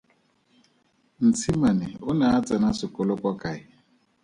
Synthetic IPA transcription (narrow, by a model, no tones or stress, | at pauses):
n̩t͡sʰimanɪʊnaat͡sanasɪkʊlʊkʷɔkaɪ